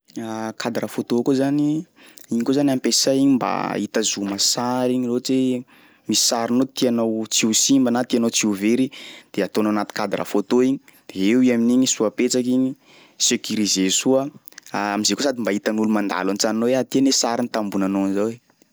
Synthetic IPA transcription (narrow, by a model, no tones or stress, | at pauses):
akʰad̪ɾafot̪okuzani | iɲikozanampesajiɲimba̰it̪azumasaɾiɲilot͡se | mii̥saɾinot̪ianawt͡siusimbanat̪ianowt͡siuveɾid̪̥eat̪onanat̪i̥kad̪aɾa̰fot̪oiɲi̥d̪̥eewiaminiɲisuapet͡sakiɲi | sekʲuɾizesuə | aamizekosad̪imbait̪anulumand̪a̰lant͡sannoweat̪ianesaɾinit̪ambunanonzawe